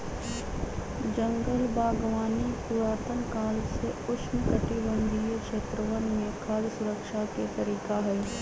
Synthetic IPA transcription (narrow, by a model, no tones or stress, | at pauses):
d͡ʒə̃ŋɡəlbʱaːɡʋaːnikuɾaːt̪ənkaːlseʊt͡ʃmkəʈiʋə̃nd̪ʱijkʃeːt̪ɾəʋənmẽkʰaːɾsʊɾəkʃaket̪ɐɾiːkaɦɛː